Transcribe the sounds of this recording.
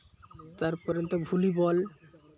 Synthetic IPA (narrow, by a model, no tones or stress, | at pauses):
t̪aɾpɔɾent̪obʱulibɔl